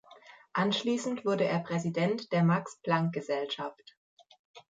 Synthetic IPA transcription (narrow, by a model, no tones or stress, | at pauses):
ʔanʃliːsn̩tv̥ʊɐɾəʔeːɐpʁ̥ɛzidɛntd̥eːɐmaksplaŋk̚ɡ̥əzɛlʃaft